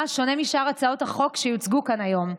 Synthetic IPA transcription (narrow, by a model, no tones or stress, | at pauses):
ʃo̞nemiʃaʁat͡sao̞thaχo̞kʃejut͡sɡukanajo̞m